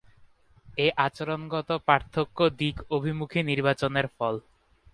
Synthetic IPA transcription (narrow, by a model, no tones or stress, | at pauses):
eʔat͡ɕoɾonɡɔt̪opaɾt̪ʰːokːod̪ikobʱimukʰiniɾbat͡ɕoneɾfɔl